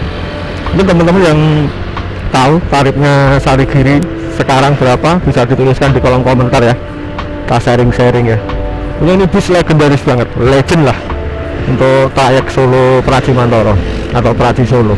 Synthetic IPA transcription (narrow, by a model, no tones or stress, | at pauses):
ŋkənt̪əmənt̪əmənjaŋ | t̪aut̪aɾɪp̚ɲasaɾiɡ̥i̤ɾi | səkaɾaŋb̥əɾapab̥isad̪̥it̪ulɪskand̪ikɔlɔŋkɔmənt̪arjah | t̪aseɾɪŋseɾɪŋja | kuɲainib̥ɪ̤slaɡ̥ə̤ndaɾɪsb̥a̤ŋət̪̚le̥ʒ̥ə̤nlah | unt̪ʊʔt̪ajək̚solopɾḁt͡ʃimant̪ɔɾɔ | at̪aupəɾḁt͡ʃisolo